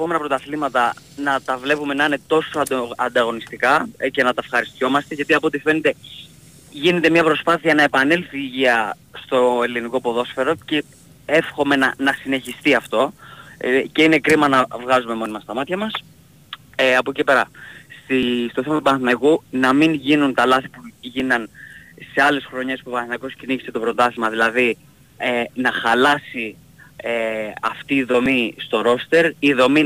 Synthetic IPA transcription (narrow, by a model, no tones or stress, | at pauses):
epo̞me̞nɐpɾo̞t̪ɐθlimɐt̪ɐ | nɐt̪ɐvle̞pume̞nɐine̞t̪o̞so̞ɐd̪oɐnd̪ɐɣo̞nist̪ikɐce̞nɐt̪ɐfxɐɾist̪ço̞mɐst̪e̞ʝɐt̪iɐpot̪ife̞ne̞t̪e̞ | ʝine̞t̪e̞mɲɐpɾo̞spɐθiɐnɐe̞pɐnelθiːʝiɐ | st̪o̞e̞liniko̞po̞ðo̞sfe̞ɾo̞ce̞ | e̞fxo̞me̞nɐnɐsine̞çist̪iɐft̪o̞ | ce̞ine̞kɾimɐnɐvɣɐzume̞mo̞nimɐst̪ɐmɐt̪çɐmɐs | ɐpocepe̞ɾɐst̪ist̪o̞θemɐt̪ubɐnθinɐkunɐminʝinunt̪ɐlɐθipuʝinɐnse̞ɐle̞sxɾo̞ɲe̞spupɐnθinɐko̞scinikset̪o̞pɾo̞t̪ɐθimɐðilɐði | enɐxɐlɐsi | eɐft̪iːðo̞mist̪o̞ɾo̞st̪e̞ɾiðo̞mi